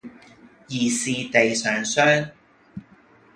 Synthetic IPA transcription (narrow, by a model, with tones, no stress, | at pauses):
jiː˨˩siː˨t̪e˨jsœː˨ŋsœː˥ŋ